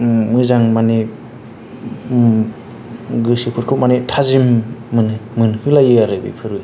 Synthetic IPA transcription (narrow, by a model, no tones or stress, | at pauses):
mɯzaŋmani | ɡɯsipʰuɾkʰɯp̚manitʰazimːɯnmɯnhɯlajɯaɾɯbḭpʰɯɾɯ